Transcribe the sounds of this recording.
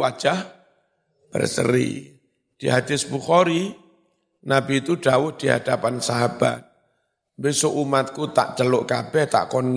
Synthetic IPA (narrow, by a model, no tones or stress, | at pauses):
wḁʒ̥ah | b̥ə̰rsə̰ɾḭ | d̥iɦad̪̥ɪsbuxɔɾi | nabiːt̪uɖ̥awʊhd̪̥iɦa̰d̥apansaɦab̥a̰t̪̚ | bɪsoʔumat̪̚kut̪a̰ʔt͡ʃəlʊʔkab̥ɛht̪a̰ʔkɔnŋ